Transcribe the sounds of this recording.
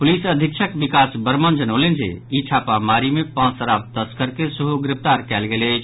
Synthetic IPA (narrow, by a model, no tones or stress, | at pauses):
pulisəd̪ʱikt͡ʃʰəkbikasbəɾmənd͡ʒənəlend͡ʒḛit͡ʃʰapamaɾimepãsəɾab̚t̪əskəɾkesuɦuɡɾɪp̚ʰt̪aɾkɛlɡelət͡ʃʰ